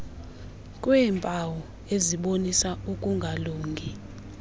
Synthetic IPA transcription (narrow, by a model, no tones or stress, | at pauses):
kʼwɛːmpʼawɔ | eziɓonisaukʼuŋɡʱaluːŋɡʱi